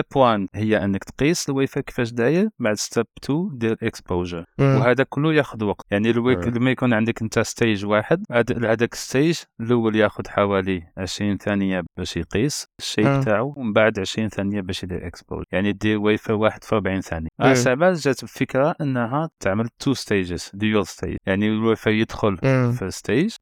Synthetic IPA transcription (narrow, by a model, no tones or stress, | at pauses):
pwænhəjːaʔənːəkt̪qisˤəlwifakə̥fæʃ̬d̪æjəɾbaʕd̪əst̪æbt̪ʰud̪iɾəlʔəkspoʒəɾwɦæd̪ækʊlːujæxʊd̪wɑqt̪jaʕniwləmːæjkunʕənd̪əkʔənt̪æst̪æjʒwaħəd̪̚d̪hæd̪ækə̥st̪ijəʒləwːəljæxʊd̪ħawæliʕəʃɾinθænəjabæʃiqisəʃːibt̪aʕuəmbaʕd̪ʕəʃɾinθænəjːabæʃd̪ḭɾʔə̰kspo̰ʒ̰jaʕnid̪iɾwifawaħəd̪̥fiɾbʕinθænjaʔasaʕbælʒæt̪əbfəkɾaʔənːɦæt̪əʕməlt̪ʰːust̪eʒəz̥d̪julst̪ḛj̰jaʕnilwifæjəd̪xʊlfist̪ejʒ